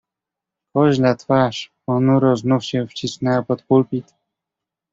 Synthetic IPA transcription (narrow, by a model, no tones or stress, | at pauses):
xɔʑlat̪faʂ | ɔnuɾɔznufɕɛft͡ɕisnɛwapɔt̪pulpʲit̪